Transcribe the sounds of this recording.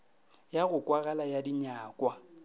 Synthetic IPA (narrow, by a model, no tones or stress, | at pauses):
jaɣʊkʼwaɣalajadiɲaːkʼwa